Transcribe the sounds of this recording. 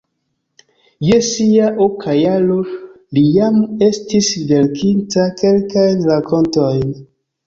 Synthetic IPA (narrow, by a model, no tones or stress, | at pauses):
jesiaʔokʰajalo | lijame̞stisvelkʰintake̞lkajnɾakʰo̞ntojn